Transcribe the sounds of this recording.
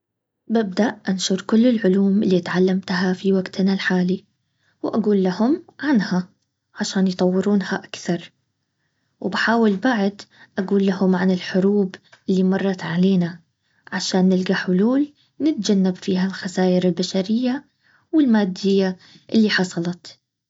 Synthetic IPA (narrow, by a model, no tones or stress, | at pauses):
bɪb̚d̪aʔʔanʃuːɾˤkʊlːɪlʕʊluːmʔɪlːit̪ʕalːamt̪aɦafiwaɡt̪nalħaːli | wʔaɡuːlːahʊmʕanha | ʕaʃaːnjt̪ˤɑwːɪɾuːnhaʔakθɑɾˤ | wbɪħaːwɪlbaʕd̪ʔaɡuːlːahʊmʕanɪlħʊɾuːbʔɪlːimɑrˤːɑt̪ʕaleːna | ʕaʃaːnːɪlɡaħʊluːl | nɪt̪̚d͡ʒanːabfiːhalxasaːʔɪɾɪlbaʃaɾɪjːa | wɪlmaːd̪ːɪjːa | ʔɪlːiħɑsˤɑlɑt̪